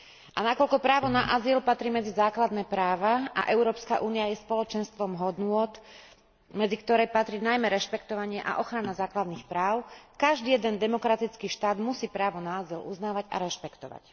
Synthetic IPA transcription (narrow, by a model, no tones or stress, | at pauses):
ʔanakɔlkɔpɾaːʋɔnaʔazilpat̪ɾiːmɛd͡zizaːklad̪nɛːpɾaːʋaa̰ʔɛʊɾɔːpskaʔuːniajɛspɔlɔt͡ʃɛnst̪ʋɔmɦɔd̪nʊɔt̪ | mɛd͡zikt̪ɔɾɛjpat̪ɾiːnajmɛɾɛʃpɛkt̪ɔʋaɲɪɛʔa̰ʔɔxɾanazaːklad̪nixpɾaːʊkaʒd̪iːjɛd̪ɛnd̪ɛmɔkɾat̪it͡skiːʃt̪aːd̪musiːpɾaːʋɔnaːzilṵznaːʋaɟa̰ɾɛʃpɛkt̪ɔʋa̰c